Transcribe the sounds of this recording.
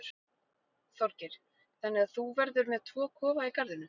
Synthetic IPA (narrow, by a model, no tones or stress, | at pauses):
ɾ | θɔɾcɪɾ̥ | θanːɪɣaθuvɛɾðʏɾmɛðt̪ʰvɔːkʰɔːvaikaɾðʏnʏ